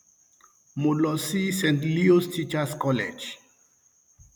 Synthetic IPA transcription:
mulɔsisɛ̃nt̪liustit͡ʃaskɔlḛd͡ʒ

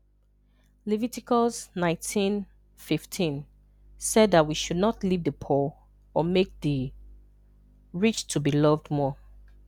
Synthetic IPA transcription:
livitikɔsnãɪ̃ntʰĩn | fiftʰĩn | sɛdðat̚wiʃudⁿnɔtlivðəpʰɔ | ɔmek̚ði | ɹit͡ʃtʰubilɔvdmɔ

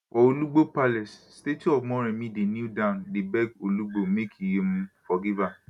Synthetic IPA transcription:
wʔɔoluɡ͡bopalɛsstetiɔmɔ̃ɾ̃ɛ̃mĩdenudãndebɛɡoluɡ͡bomekʰijemũfɔɡiva

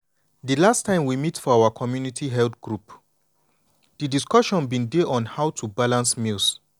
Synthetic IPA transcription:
dilastʰãɪ̃mwimitfɔawakʰɔmjunitʰiɦɛldɡɹup | d̥idiskɔʃɔ̃nbĩndeʔɔ̃nhaʊtʰubalãnsmilˠs

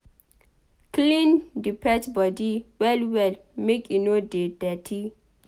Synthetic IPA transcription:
klĩndipʰɛtbɔdiwɛlwɛl | mekinodedɛtʰi

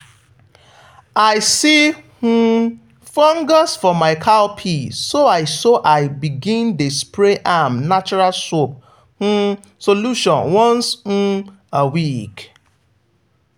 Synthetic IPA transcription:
aɪsih̩ | fɔ̃ŋɡasfɔmaɪkʰalpʰisoaɪsɔʔaɪbiɡĩndespɾeʔamnat͡ʃɔɹalsop̚ | h̩ | soluʃɔ̃nwɔ̃nsn̩ | awik

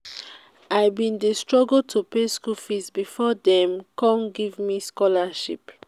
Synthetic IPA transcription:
aɪbĩndestɹɔɡəltʰupeskufizbifɔdɛ̃mkɔ̃nɡivmiskɔlaʃḭp

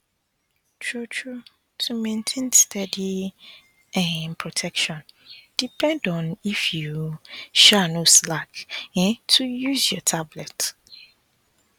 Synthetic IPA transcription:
t͡ʃʰɹot͡ʃʰu | tʰumɛ̃ntʰẽndstʰadi | ɛ̃npʰɹɔtʰɛkʃɔ̃nd̥ipʰɛ̃ndɔ̃nifjuʃanoslakɛ̃tʰujusjɔtʰablɛt

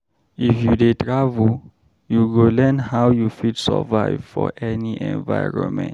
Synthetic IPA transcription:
ifjudetʰɹavu | juɡolɛnhawjufidsɛ̰vaɪv̥fɔ̰ʔɛniʔɛ̰̃nva̰jɹɔ̰̃nmɛ̰̃nt

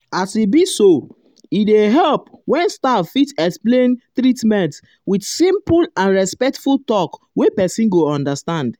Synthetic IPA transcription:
asibiso | ideɦɛlpwɛ̃nstaffitɛksplẽntɹitmɛ̃nt | widsĩmpulãnɹɛspɛk̚tfultɔk | wepɛsĩnɡoɔ̃ndastãnd

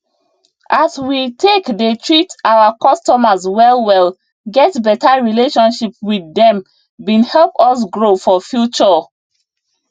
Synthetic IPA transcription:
ʔaswitʰekdetʰɹitaakɔstɔmaswɛlwɛl | ɡɛtbɛtaɹileʃɔ̃nʃipwidɛ̃m | bĩnhɛlpɔs̬ɡɹofɔfjut͡ʃɔ

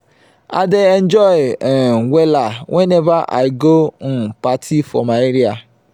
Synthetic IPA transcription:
a̰dɪend͡ʒɔɪwʷelawʔenevaʔa̰ɪɡon̩patʰifɔ̰maeɾia

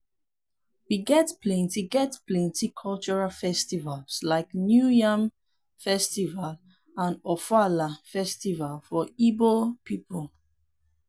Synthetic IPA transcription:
wiɡɛtplẽntiɡɛtplẽntikʰɔlt͡ʃɔɹalfɛstivalslaɪknjujãm | fɛstival | ãnɔfalafɛstivalfɔibopipəl

